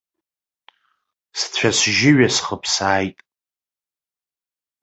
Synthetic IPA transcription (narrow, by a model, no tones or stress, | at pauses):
st͡sʷʰasʒɪɥasχəpʰsaːjtʼ